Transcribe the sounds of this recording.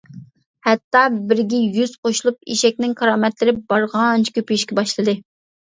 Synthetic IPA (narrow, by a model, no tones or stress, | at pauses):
hɛt̪ːɑbɪɾɡʲɛjyz̥qʰoʃulˠupiʃɛk̚ʲnɪŋkʰɑɾɑːmɛt̪lɪɾɪbɑɾʁɑnt͡ʃʰkʲʰøpyjiʃkʲɛbɑʃlˠɨd̪ɨ